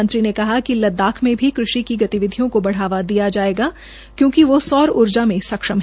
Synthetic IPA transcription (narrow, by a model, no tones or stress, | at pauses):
ənt̪ɾinekɐɦakilɐd̪ːaːkʰmẽbʱikɾʊʃikiɡɐt̪iʋɪd̪ʱijõkobɐɽ̤aːʋad̪ijad͡ʒaːeːɡaː | kjõːkiʋosɔːɾʊɾd͡ʒamẽsɐkʃəmɦ